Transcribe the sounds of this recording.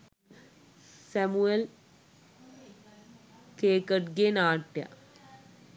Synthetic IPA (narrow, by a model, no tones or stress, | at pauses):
sɐmuel | keːkɐʈɡenaːʈːja̰